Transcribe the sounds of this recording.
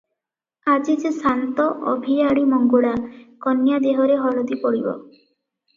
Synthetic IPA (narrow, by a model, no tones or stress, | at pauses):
ad͡ʒid͡ʒsant̪ɔʔɔbʱijaɽimɔŋɡuɽakɔnjad̪eɦɔɾeɦɔlɔd̪ipɔɽibɔ̰